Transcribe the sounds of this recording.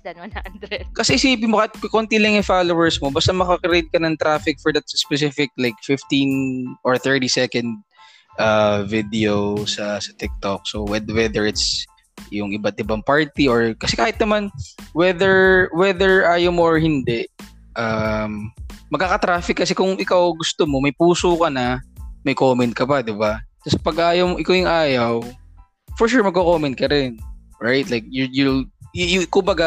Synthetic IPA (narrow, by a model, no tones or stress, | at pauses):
kɐsɛʔɪsiːpɪnmokaːhɪt̪̚kkont̪ilɐŋjʊfaːlowɛɹsmobast̪ɐmɐkɐkɾed̪̚kɐnɐŋt̪ɾaːfɪk̚fɔɹd̪ɐt̪̚sspɛs̬ɪfɪk̚lajk̚fɪft̪inʔɔɹθɛɹt̪isɛkɐnd̪̚ | ʔavɪd̪ɛosɐsɐt̪ɪk̚t̪ok̚sowɛdwɛd̪ɛɹɪt̪s | jʊŋʔɪbat̪̚ʔɪbaŋpaɹt̪iʔoɹkɐsɛkaːhɪt̪̚nɐmanwɛðɛɹwɛðɛɹʔaːjɐwmoʔɔɹhɪnd̪ɛʔ | ʔɐmːɐɡ̚kːakɐt̪ɾaːfɪkːɐsɛkʊŋʔɪkawɡʊst̪omomɐjpuːsokɐnɐmɐjkoːmɛnt̪̚kɐpad̪ɪbat̪ɐsɐpɐɡaːjɐwmʔɪkawjʊŋʔaːjɐw | fɔɹʃʊɹmɐɡkokoːmɛnt̪̚kɐɾɪnɹajt̪̚lajk̚jjʊ | kʊmbɐɡa